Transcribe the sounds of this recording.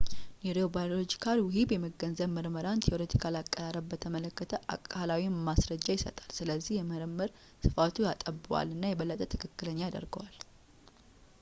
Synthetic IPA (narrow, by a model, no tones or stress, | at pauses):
neɾiobajlod͡ʒikʰalwʊɦibjɛməɡənzəβməɾməɾant̪ʰeʔoɾet̪ʰi̥kʰalakʼːəɾaɾəbbət̪ʰəmələkːət̪ʰəʔa̰kʼːalawimasɾəd͡ʒːajɪsə̰t̪ʼḁlsɨləzːihjɛməɾəmːəɾ | sɨfat̪ʰujat̪ʼəbːɨwa̰lːɨnːajɛβəlːət̪ʼət̪ʰɨkʰɨkːɨləɲːajad̪ə̰ɾɡəwal